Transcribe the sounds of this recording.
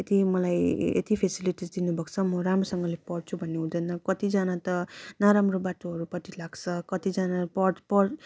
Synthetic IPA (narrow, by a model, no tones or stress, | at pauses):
et̪imʌlajḛt̪ipʰesiliʈid͡zd̪inubʱʌɡt͡sʰʌmʌɾamɾosʌŋɡʌlepʌɽt͡sʰubʱʌnːeɦũd̪ʌjnʌkʌt̪id͡zanat̪ʌnʌɾamrobaʈoɦʌɾupʌʈilaɡt͡sʰʌkʌt̪id͡zanapʌɽpʌɽ